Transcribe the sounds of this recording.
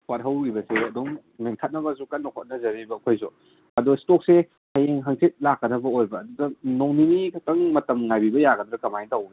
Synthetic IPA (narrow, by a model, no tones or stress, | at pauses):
wat̚ɦɐwɾibɐseɐduŋ | meŋtʰat̚nɐbɐsukɐt̚nɐkʰot̚nɐzɐɾibɐːkʰojsu | ɐdustok̚se | hɐjeŋɦɐŋset̚lakːɐdɐbɐojbɐːdudɐnoŋninikʰɐtɐŋmɐtɐmŋajbibɐjaɡɐd̪ɾɐkɐmajntɐwni